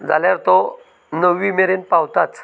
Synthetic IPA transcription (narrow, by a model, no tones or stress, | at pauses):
d͡zaljaɾt̪ɔ | nəʋːimeɾenpawt̪at͡s